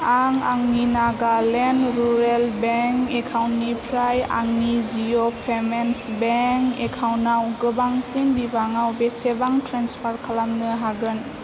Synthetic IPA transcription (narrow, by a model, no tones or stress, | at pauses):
aŋaŋninaɡalenɾuɾelbeŋkekʰawnnipʰɾaja̰ŋnizijopʰemensbeŋkekʰawnawɡɯbaŋsindibaŋawbestʰebaŋtʰɾanspʰaɾkʰalamnɯɦaɡɯn